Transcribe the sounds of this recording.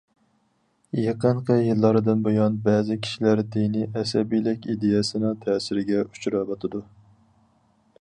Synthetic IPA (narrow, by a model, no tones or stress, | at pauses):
jeqəɴqʰəjɨlˠːɑɾɨd̪ɨnbojɑnbɛːzɪkʲʰi̥ʃilæɾd̪inɪʔɛsɛbijlɪkʲid̪ejɛsɨnɨŋt̪ʰɛːsɪɾɪɡʲɛʔut͡ʃʰɾɑbɑt̪ʰɨd̪u